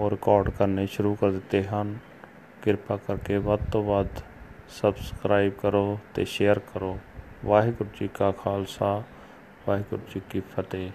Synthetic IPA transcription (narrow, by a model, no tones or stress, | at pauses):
oːɾɪkɔːɾɖkəɾneʃʊɾukəɾd̪ɪt̪eɦan | ɡɪɾpaːkəɾkeʋət̪obaːd̪ | səbskɾaːɪbkəɾot̪ḛʃeːəɾkəɾoːʋaːɦikʊʈt͡ʃikakʰaːlsa | ʋaːɦikʊʈt͡ʃikifʰət̪eː